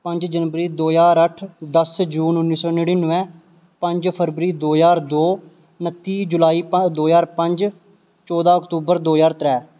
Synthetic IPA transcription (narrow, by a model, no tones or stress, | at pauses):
pə̃ɲd͡ʒd͡ʒənʋəɾiːd̪oːjaːɾəʈʰd̪əsd͡ʒuːnʊnːiːsɔːnəɽ̃iːnəʋɛ̃ː | pə̃ɲd͡ʒpʰəɾʋɾiːd̪oːjaːɾd̪oː | nət̪ːiːd͡ʒʊlaːiːpəd̪oːjaːɾpəɲd͡ʒ | t͡ʃɔːd̪aːəkt̪uːbəɾd̪oːjaːɾt̪ɾɛː